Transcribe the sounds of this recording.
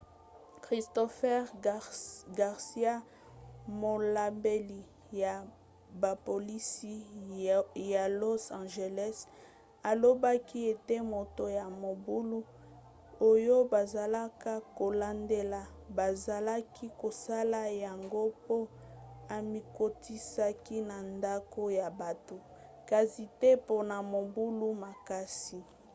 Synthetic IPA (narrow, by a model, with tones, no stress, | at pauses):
kʁi˨stɔ˨fɛ˦ʁ | ɡa˨ʁsi˦a˦ | mo˨la˨mbe˨li˨ | ja˨ | ba˨po˨li˦si˦ | ja˨lo˦sã˨ʒe˨lɛ˦s | a˨lo˦ba˦ki˦e˨te˦mo˨to˨ja˨mo˨bu˦lu˦ | o˦jo˦ba˨za˨la˦ka˦ko˨la˦nde˦la˨ | ba˨za˨la˦ki˦ko˨sa˦la˦ja˨ŋɡo˦po˦ | a˨mi˨ko˦˨tʰi˦sa˦ki˦na˨nda˦ko˦ja˨ba˨to˨ | ka˨si˨te˦po˦na˨mo˨bu˦lu˦ma˨ka˦si˨